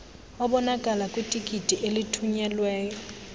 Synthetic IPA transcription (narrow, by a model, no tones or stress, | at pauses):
ɔbɔnakʼalakʼʊtʼikʼitʼiʔelɪtʰuɲɛlwɛːjɔ